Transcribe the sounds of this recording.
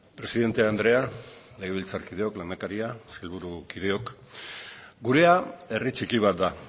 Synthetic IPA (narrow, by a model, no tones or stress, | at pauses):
pɾe̞siðe̞nt̪eand̪ɾe̞a | le̞ɣ̞eβ̞ilt͡saɾkið̞e̞o̞kland̪akaɾiaselβuɾukið̞e̞o̞k | ɡuɾe̞ae̞rit͡ʃikiβ̞at̪̚d̪a